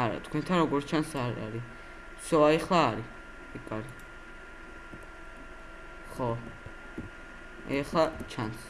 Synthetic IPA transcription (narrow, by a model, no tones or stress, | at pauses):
aɾa̰t̪ʰkʰwɛ̃nt̪ʰanɾɔɡɔɾtt͡ʃʰansaɾa̰ɾi | sɔaɛχlˠaːɾi | ikʼaɾi | χɔ | ɛχlˠat͡ʃʰans